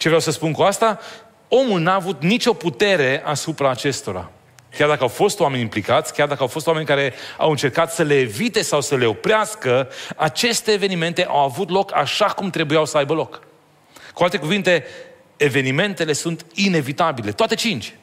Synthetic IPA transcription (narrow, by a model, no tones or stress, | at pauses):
t͡ʃe̞vɾawsəspunkuast̪a | o̞mulnaːvut̪nit͡ʃʲo̞put̪e̞ɾe̞ʔasupɾaːt͡ʃe̞st̪o̞ɾa̰ | kʲjard̪akəawfo̞st̪owame̞nʲimplikat̪sʲkʲard̪akəawfo̞st̪wame̞nʲkaɾe̞a̰wɨnt͡ʃe̞rkat̪səle̞ːvit̪e̞sawsəle̞o̞pɾeaskəat͡ʃe̞st̪eːve̞nime̞nt̪e̞ʔawavut̪lo̞kaʃakumt̪ɾe̞bujawsəajbəlo̞k | kualt̪ekuvint̪e̞ː | ve̞nime̞nt̪e̞le̞sunt̪ine̞vit̪abile̞t̪oat̪e̞t͡ʃint͡ʃʲ